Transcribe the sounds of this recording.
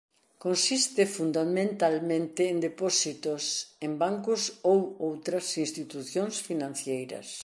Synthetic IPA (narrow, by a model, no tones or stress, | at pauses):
konsist̪ɪfund̪amẽnt̪almẽnt̪ɪːnd̪epɔsit̪ʊsembaŋkʊsowowt̪ɾɐsinst̪it̪uθjõnsfinãn̟θjejɾɐ̰s